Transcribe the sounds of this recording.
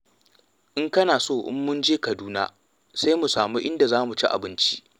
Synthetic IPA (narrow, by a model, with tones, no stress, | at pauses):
ʔɪ˦ŋkɐ˦naː˨soː˦˨ʔɪ̰˦mːʊ˦nd͡ʒeː˦kɐ˨duː˦na̰ː˦ | sa˦jmu˨saː˨mu˦ʔɪ˦nda˨zaː˦mu˨t͡ʃḭ˦ʔa̰˨bɪ˦nt͡ʃi̥˦ʔ